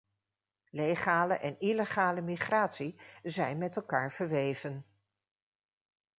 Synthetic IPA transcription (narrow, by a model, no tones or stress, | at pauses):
lejχaːləʔɛniləχaːləmiχraːtsizɛjnmɛtɛlˠkaːɹv̥əɹʋejvən